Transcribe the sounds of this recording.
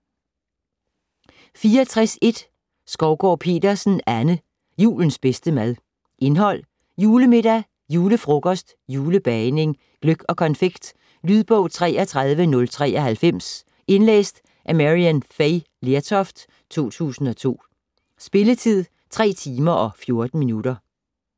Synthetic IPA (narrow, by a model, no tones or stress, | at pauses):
fiːɐɒt͡sʰʁase̝d̥ | sɡ̥ɒʊɡ̥ɒ̰ːpʰe̝̰ːd̥ɐsn̩ænə | jṵːln̩sb̥esd̥əmæð̞ˠ | ʔe̝nɦɒ̽l̰ | juːləme̝d̥æ | juːləfʁɔ̽ɡ̥ɒ̽sd̥juːləb̥ɛne̝ŋ | ɡ̥løɡ̥ɒ̽kʰɒ̽nfeɡ̥d̥ | lyð̞ˠb̥ɔ̽ʊt͡sʰʁɛ̰ːɐt͡sʰʁað̞ˠʋənɔ̽lt͡sʰʁɛ̰ːʔɐhælfem̰s | e̝nlḛːsd̥ | ʔæmæʁiænfeɪ | let͡sʰɒ̽fd̥ | t͡sʰo̝̰ːt͡sʰṵːsn̩ɒ̽t͡sʰo̝̰ː | sb̥e̝lət͡sʰið̰ˠ | t͡sʰʁɛ̰ːt͡sʰiːmɐʔɒ̽fjo̝ɐd̥n̩minud̥ɐ